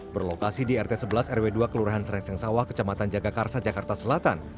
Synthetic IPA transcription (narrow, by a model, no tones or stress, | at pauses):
bərlokasidiɛrt̪esəbəlasɛrweduakəluɾaɦansəɾɛksɛŋsawahkə̥t͡ʃamat̪and͡ʒaɡakarsad͡ʒakart̪asəlat̪an